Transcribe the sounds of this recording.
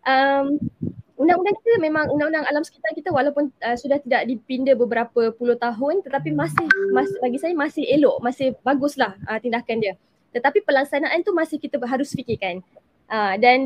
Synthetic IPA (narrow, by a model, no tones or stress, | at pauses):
ʔəmundaŋundaŋkit̪əmẽmãŋundaŋũndaŋalamsə̥kit̪aŋkit̪əwalawpʊnəsudaht̪idaʔdipindəbəbəɾapəpulʊht̪aɦʊnt̪ət̪apimãsɪhmasbaɡisajəmasɪhelɔʔmasɪhbaɡʊslahʔət̪indakandiə | t̪ət̪apipəlaksanaʔant̪umasɪhkit̪əɦaɾʊsfikɪkan | ʔədan